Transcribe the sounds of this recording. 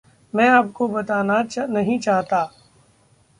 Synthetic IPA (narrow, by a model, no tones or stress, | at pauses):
mɛ̃ːaːp̚kobɐt̪aːnanɐɦĩt͡ʃaːɦt̪aː